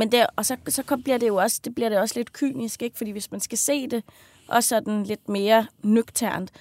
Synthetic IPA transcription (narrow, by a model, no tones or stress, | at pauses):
mend̥eɒ̽sɒ̽sɒ̽kʰɒ̽b̥liɐd̥e̝jo̝ɒ̽səd̥e̝b̥liɐɾ̥e̝ɒ̽sle̝d̥kʰy̰ːnisɡ̥e̝ɡ̥fɒ̽d̥ḭːʋe̝smænsɡ̥æse̝̰ːd̥e̝ | ʔɒ̽sɒd̥n̩le̝d̥me̝ːɐnøɡ̥t͡sʰæɐ̰nd̥